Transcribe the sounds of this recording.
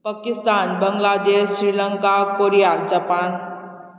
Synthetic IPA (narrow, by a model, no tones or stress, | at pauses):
pəkist̪anbəŋɡlad̪esːɾiləŋkakoɾijad͡ʒapan